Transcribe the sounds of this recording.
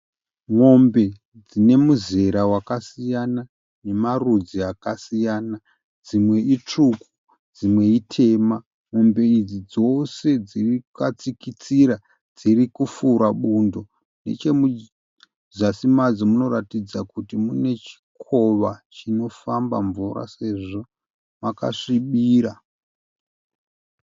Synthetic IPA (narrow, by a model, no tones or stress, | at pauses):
ŋo̞mbe̞ | d͡zine̞muze̞ɾawakasijana | ne̞marud͡ziakasijaːna | d͡zimwe̞it͡ʂuku̥ | d͡zimwe̞itʰe̞ːma | ŋo̞mbe̞id͡zid͡zo̞se̞d͡zirikat͡sikit͡siɾa | d͡zirikufuɾaɓundo̞ | ne̞̰t͡ʃe̞mu | zasimad͡zimuno̞ɾatid͡zakutimune̞t͡ʃi̥kʰo̞ʋat͡ʃino̞famba̰ɱvuɾa̰se̞ʐo̞ | maka̰ʂiɓiːɾa